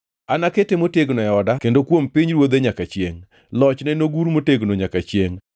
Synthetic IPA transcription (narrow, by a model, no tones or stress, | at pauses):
anaketemoteɡnɔɛɔdakendokwompiɲɾwod̪eɲakat͡ʃjeŋ | lɔt͡ʃnɛnoɡuɾmoteɡnoɲakat͡ʃjeŋ